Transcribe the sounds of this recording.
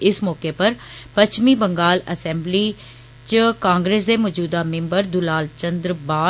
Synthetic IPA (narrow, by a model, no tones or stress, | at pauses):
ɪsmɔːkepəɾpət͡ʃmiːbəŋɡaːləsɛ̃ːmbliː | t͡ʃəkãːŋɡɾeːsd̪eːmɔːd͡ʒuːd̪amɪ̃mbəɾd̪ʊlaːlt͡ʃə̃nd̪ɾbaː